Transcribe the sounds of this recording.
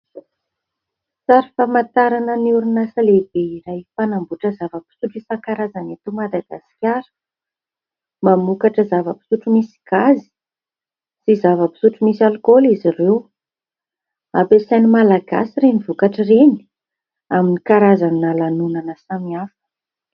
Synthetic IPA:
saɾifamant̪aɾanəniuɾinasaleb̥eiɾajfanambuʈ͡ʂəzavəpi̥suʈ͡ʂisakaɾazanat̪umad̪aɡa̰si̥kʲaɾə̥ | mamukaʈ͡ʂəzavəpi̥suʈ͡ʂumisi̥ɡ̥azi̥ | sizavəpi̥suʈ͡ʂumisalkolizirew | apesanimalaɡa̰siɾenivukaʈ͡ʂireni̥ | aminikaɾazannalanunanəsamiafə

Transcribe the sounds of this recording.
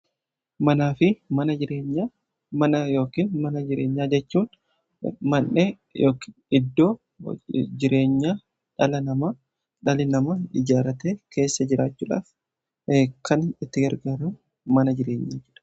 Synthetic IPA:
mɐnaːfɪmɐnɐd͡ʒɪɾeːɲːa | mɐnɐjo̞ːkiːnmɐnɐd͡ʒɪɾeːɲːaːd͡ʒɛt͡ʃːuːn | mɐnːeː | jo̰ːkː | ɪd̪ːo̞ː | d͡ʒɪɾʔe̞ːɲːaː | ᶑɐlɐnɐmaː | ᶑɐlɪnɐmɐɪd͡ʒaːɾɐt̪eːke̞ːsːɐd͡ʒɪɾaːt͡ʃːuːᶑa̰ːf | kʰːɐnɪt̪ːɪɡɐɾɡaːɾɐm | mɐnɐd͡ʒɪɾe̞ːɲːaːd͡ʒɛᶑɐ̥

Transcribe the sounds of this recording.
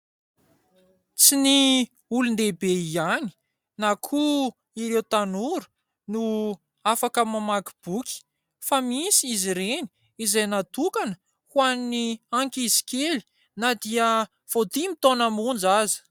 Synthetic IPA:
t͡sini | ulund̪ebeiani̥ | nakʰu | iɾewt̪anuɾu̥ | nu | afakəmamaɡi̥b̥ukʲi̥ | famisiiziɾeni̥ | izajnat̪ukanə̥ | huanniaŋkizi̥keli̥ | nad̪iə | v̥od̪imit̪onamund͡ʒazi̥

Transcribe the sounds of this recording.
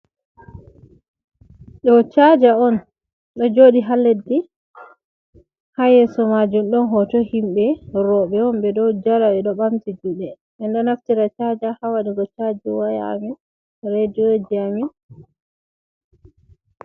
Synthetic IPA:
ɗɔt͡ʃad͡ʒaɔn | ɗɔd͡ʒoɗiɦalːedi | hajɛsɔmad͡ʒumɗɔnɦɔtɔhimɓɛɾɔɓɛɔmbɛdɔwd͡ʒaɾaɗɛɗɔɓamtid͡ʒuɗɛ | ɓɛndɔnaftiɾat͡ʃad͡ʒahawaɗiɡɔt͡ʃad͡ʒɛwaja̰mi | ɾed͡ʒod͡ʒiami

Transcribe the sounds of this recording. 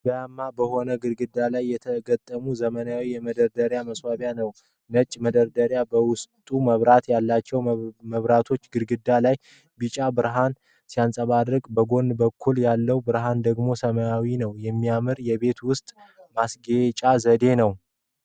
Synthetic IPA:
bəjamːabəho̞nəɡɨɾɡɨd̪ːalajːɛt̪ʰəɡət̪ʼːəmuzəmənaawijɛməd̪əɾd̪əɾjaməswaβjanəw | nət͡ʃʼːməd̪əɾd̪əɾjabəwʊst̪ʼuməβɾat̪jalːat͡ʃːɛwməβɾat̪ʰo̞t͡ʃːɡɨɾɡɨd̪ːalaj | bɨt͡ʃʼabɨɾɦan | sijansʼəβad̪ɾɨkʼbəɡo̞nːbəkʰːuljalːəwbɨɾɦand̪əɡmo̞səməjawinəwjɛmːijamɨɾjɛβe̞t̪wʊst̪ʼmasɡet͡ʃʼazəd̪e̞nəw

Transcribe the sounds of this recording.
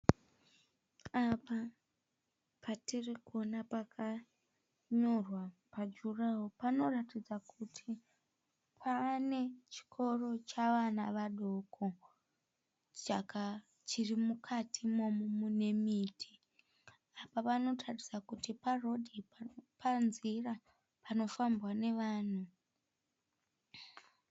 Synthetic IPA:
apa | pʰaterikuonapakʰa | ɲo̞rwapad͡ʒuraopano̞ratid͡zakʰutʰi | pʰaːne̞t͡ʃi̥kʰo̞ro̞t͡ʃaʋanaʋaɗo̞kʰo | t͡ʃaka | t͡ʃirimukʰatʰimo̞mumune̞miːtʰi | apaʋano̞tʰarid͡zakutiparo̞dʱipanzira | pano̞fambwane̞ʋaːn̤u

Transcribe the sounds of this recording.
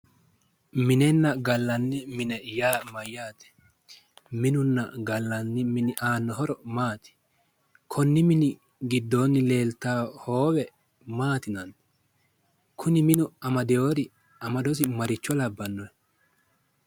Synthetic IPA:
mɪnɛnːɐɡɐlːɐnːɪmɪnɛjaːmɐjːaːt̪ɛ̥ | mɪnʊnːɐ̰ɡɐlːɐnːɪmɪnɪʔaːnːɔɦɔɾɔmaːt̪ɪ̥ | kʰɔnːɪmɪnɪ | ɡɪd̪ːoːnːɪle̞ːlt̪aːhoːwɛ | maːt̪ɪnɐn | kʰʊnɪmɪnʊɐmɐd̪ɛjoːɾɪ | ɐmɐd̪ɔs̬ɪmɐɾɪt͡ʃːɔlɐbːɐnːɔɛ

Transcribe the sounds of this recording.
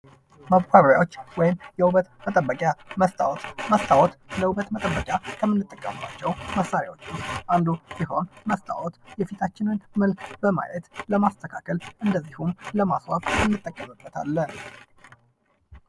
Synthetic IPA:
maβkʰʷaβəɾjawo̞t͡ʃːwɔjɪmjɛwuβət̪mət̪ʼəbːəkʼjaməst̪ʰʼa̰wt̪məst̪ʰʼawɔt̪ləwuβət̪mət̪ʼəbːəkʼjakʰəmːɨnːɨt̪ʼːəkʼːəmɨba̰t͡ʃːɛwməsːaɾja̰wot͡ʃːuʔand̪usiɦo̞nməst̪ʰʼa̰wɔt̪jɛfit̪ʰat͡ʃːɪnɨnmɨlkbəma̰jɛt̪ləmast̪ʰəkʰakʰəlʔɨnd̪əzːihumləmaswaβɨnːɨt̪ʼːəkʼːəmɨbːət̪ʰa̰lːən

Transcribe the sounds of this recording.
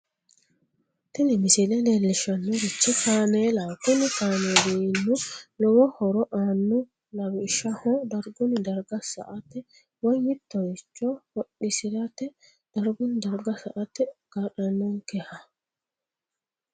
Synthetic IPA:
t̪ɪnɛmɪsɪlɛneːlːɪʃɐnːʊɾɪt͡ʃːɛkaːneːlaːkʊnɪkaːnediːnːʊlɔwɔhɔɾɔʔaːnːʊ | lɐwɪʃɐhɔd̪ɐɾɡʊnɪd̪ɐɾɡɐsɐ̰ʔɐt̪ɛ | wɔjjɪt̪ːɔjɪt͡ʃːɔwɔɗːɪsɪɾɐt̪ɛ | d̪̥ɐɾɡʊnd̪ɐɾɡɐsɐʔɐt̪ːɛɡ̥aːɗɐnːɔnkɛhɐ

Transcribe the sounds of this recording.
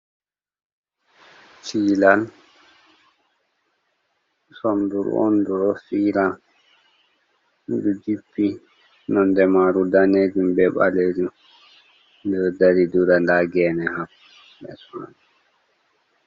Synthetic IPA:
t͡ʃiːlal | sɔnduɾɔ̰nduɾɔfiːɾa | dud͡ʒipːi | nɔndɛmaɾudaned͡ʒumbɛɓa̰led͡ʒu | ɔdaɾiduɾandaɡɛːnɛhapː | ɓɛsma̰n

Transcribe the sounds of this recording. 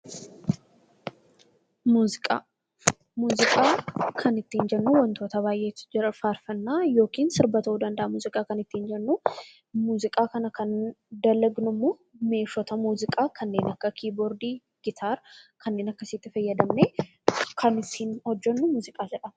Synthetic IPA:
muːzɪkʼaː | muːzɪkʼaːkʰɐnɪt̪ːiːnd͡ʒɛnːuwɔnt̪oːt̪ɐβaːjʔeːt̪ɪ̥d͡ʒɪɾɐfaːɾfɐnːaːjo̞ːkiːnsɪɾbɐt̪ɐuːd̪ɐnd̪ɐʔɐmuːzɪkʼaːkɐnɪt̪ːiːnd͡ʒɛnːu | muːzɪkʼaːkɐnɐkɐnd̪ɐlɐɡnʊmːoː | me̞ːʃɔt̪ɐmuːzɪkʼaːkɐnːe̞ːnɐkːɐkʰiːbɔɾd̪iː | ɡ̥ɪt̪ʰaːɾkʰɐnːe̞ːnɐkːɐsɪt̪ːɪfɐjːɐd̪ɐmne | kʰɐnɪt̪ːiːnhɔd͡ʒːɛnːʊmuːzɪkʼaːd͡ʒɛᶑɐ

